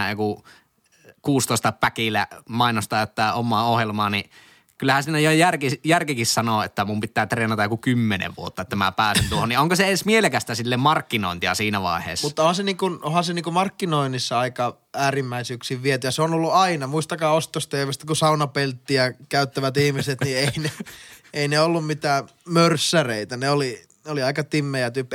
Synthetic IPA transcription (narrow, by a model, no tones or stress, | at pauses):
joku | kuːst̪oˑest̪ɑpækilːæmɑˑinost̪ɑˑt̪ːæːomːˑɑːohjelmɑːni | kylːæhænsiːnæjojærkijærkikissɑnoet̪ːæmumpit̪ːˑæːt̪reːnɑt̪ɑjokukymːenḛʋʋṵot̪ːɑet̪ːæmæ̰pæːsent̪uohoniʔʔoŋkoseensmielekæst̪æsilːemmɑrkːino̰ˑint̪iɑsiːnæʋɑ̰ˑehḛːsːmuːɑohɑseniːŋkunohɑseniːŋkumɑrkːinoinːisːɑɑikɑ | æːrimːæisyksiːʋʋiet̪yjɑseonolːuɑinɑmuist̪ɑkɑːost̪ost̪eiʋest̪ækusɑunɑpelt̪ːiækæˑyt̪ːæʋæt̪ihmiset̪nieineeineolːummit̪æːmørsːæreit̪æneoli | noliɑikɑt̪imːejæt̪ypː